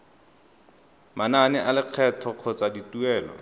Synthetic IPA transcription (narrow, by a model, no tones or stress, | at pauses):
mananɪʔalɪq͡χʰɛtʰɔq͡χʰɔt͡sadituɛːlɔ̰